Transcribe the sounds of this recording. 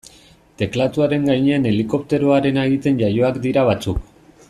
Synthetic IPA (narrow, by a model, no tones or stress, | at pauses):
t̪e̞klat̪uaɾe̞ŋɡajɲeane̞liko̞p̚t̪e̞ɾo̞aɾe̞naeɣit̪e̞nʝajo̞akd̪iɾaβ̞at͡suk